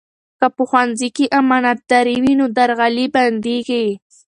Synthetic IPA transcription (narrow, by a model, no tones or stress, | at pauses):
kapʊxwanzɪkiʔamanat̪ːaɾiwinʊd̪aɾɣaliband̪ikaj